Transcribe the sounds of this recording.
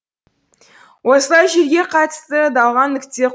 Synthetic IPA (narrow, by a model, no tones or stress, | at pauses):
wosəlˠɑjʒeɾɡʲe̞qʰɑt̪əst̪əd̪ɑlˠʁɑnːɪkt̪e̞